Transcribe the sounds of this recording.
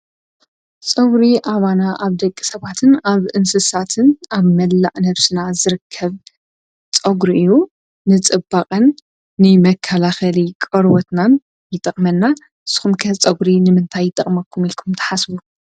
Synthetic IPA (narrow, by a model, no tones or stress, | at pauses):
t͡sʼɐɡɾiʔaβanaʔaβd̪ɐkʼːi̥sɐβat̪ʰɨnaβʔɨnsɨsat̪ʰɨnaβmɐlːa̰ʔnɐβsɨnazɨɾɨkʰːɐβ | t͡sʼɐɡɾiʔɨjːuː | ɨt͡sʼɨbaqʼɐnː | ɨmɐkʰːɐlaxɐlikʼɐɾwɔt̪nan | jɪt̪ʼɐχʼmɐnːa | ɨsɨ̥xumkʰɐt͡sʼɐɡɾinɨmɨnt̪ʰajːɪt̪ʼɐχʼmɐkʰːumilkʰumt̪ʰɐ̥ħasbu